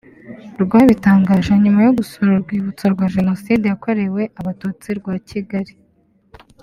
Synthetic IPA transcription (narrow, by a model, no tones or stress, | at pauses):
ɾɡwaːβitaːŋɡaːʒaɲumajuɡusoɾoɾɡwiːβut͡soɾɡwaːʒe̞no̞sidejako̞ɾe̞we̞ʔaβatut͡siɾɡwaːciɡaɾi